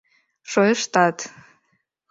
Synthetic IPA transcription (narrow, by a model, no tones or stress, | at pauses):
ʂojʂt̪ʼatʰʼ